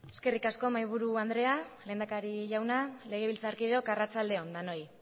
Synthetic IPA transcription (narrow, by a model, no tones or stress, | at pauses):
e̞ske̞rikasko̞majβ̞uɾuand̪ɾe̞ale̞ːnd̪akaɾiʝawnale̞ɣ̞e̞β̞ilt͡saːɾkiðeo̞karat͡sald̪e̞o̞nd̪ano̞j